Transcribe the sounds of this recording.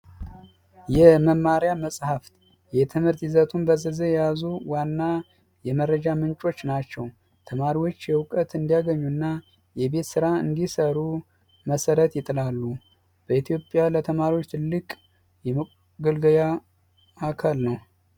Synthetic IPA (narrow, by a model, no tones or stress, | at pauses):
jɛməmːaɾjaməsʼhaft̪ | jɛt̪ʰɨmhɨɾt̪izət̪ʰunbəzəzəjɛjazuwanːa | jɛmərːəd͡ʒamɨnt͡ʃʼo̞t͡ʃːnat͡ʃːɛw | t̪ʰəmaɾiwo̞t͡ʃːjɛwkʼət̪ɨnd̪ijaɡəɲːunːa | jɛbe̞t̪sɨɾaɨ̰nd̪isəɾu | məsəɾət̪jɪt̪ʼɨlalːu | b̥əit̪ʰijo̞pʼjalət̪ʰəmaɾiwo̞t͡ʃːt̪ʰɨlːɨkʼ | jɛməkʼ | ɡɨlɡəja | akʰəlnəw